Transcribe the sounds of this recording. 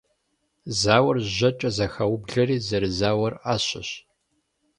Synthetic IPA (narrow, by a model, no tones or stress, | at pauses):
zaːwɐrʑɐt͡ʃʼɐzɐxɐwbɮɐɾiːzɐɾɨzaːwɐraːɕɪɕ